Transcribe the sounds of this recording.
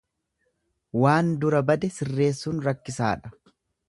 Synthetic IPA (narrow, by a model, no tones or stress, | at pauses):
waːnd̪ʊɾɐbɐd̪ɛsɪrːe̞ːsːuːnɾɐkːɪsa̰ːᶑɐ̥